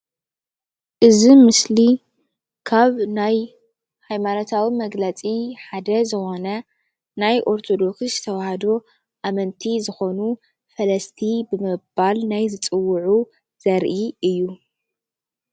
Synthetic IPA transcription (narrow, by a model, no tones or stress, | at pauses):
ʔɨzimɨsli | kʰaβnaj | hajmano̞t̪ʰawimɐɡlɐt͡sʼiħad̪ɐzɨxo̞nɐ | najʔo̞ɾt̪ʰo̞d̪o̞kszɨt̪ʰɐwahɐd̪o̞ | ʔamɐnt̪ʰizɨxo̞nu | fɐlɐst̪ʰibɨmɨbalnajzɨt͡sʼɨwːʊʕu | z̥ɐɾʔiɨjːu